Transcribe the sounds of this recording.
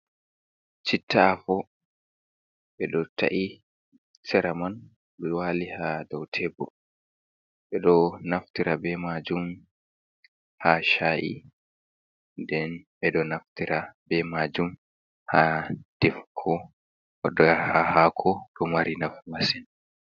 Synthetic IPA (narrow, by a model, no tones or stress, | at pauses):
t͡ʃitʰːaːfɔ | ɓɛɗɔta̰ʔi | sɛɾaman | lwalihadɔwtʰɛbɔ̰ | ɓɛɗɔnaftiɾabɛmad͡ʒum | haʃaʔḭ | ndɛnɓɛɗɔnaftiɾabɛmad͡ʒum | had̥ɛfkʰɔ | ɔɗɔahahakʰɔɗɔmaɾinafmasɛn